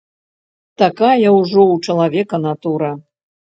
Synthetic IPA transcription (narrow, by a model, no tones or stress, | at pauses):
t̪akajɐwuʐɔwt͡ʂɐlˠavʲɛkɐnat̪uɾɐ